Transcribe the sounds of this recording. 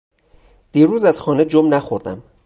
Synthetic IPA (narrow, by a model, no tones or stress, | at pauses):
d̪̥iːɾuːzæz̥xɒːne̞d͡ʒomnæxoɾd̪æ̰m